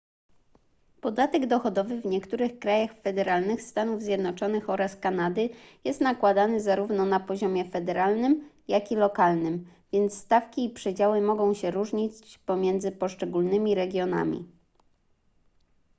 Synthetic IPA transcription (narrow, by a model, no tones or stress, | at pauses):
pɔd̪at̪ɛɡd̪ɔxɔd̪ɔvɘvɲɛkt̪uɾɘxkɾajaxfɛd̪ɛɾalnɘxst̪anuvzʲjɛd̪nɔt͡ʂɔnɘxɔɾaskanad̪ɘjɛst̪nakwad̪anɘzaɾuvnɔnapɔʑɔmʲjɛfɛd̪ɛɾalnɘm | jakʲilɔkalnɘm | vʲjɛnt̪st̪afkʲiːpʂɛd͡ʑawɘmɔɡɔ̃w̃ɕɛɾuʐɲit͡ɕpɔmʲjɛnd̪zɘpɔʂt͡ʂɛɡulnɘmʲiɾɛɡʲjɔna̰mʲḭ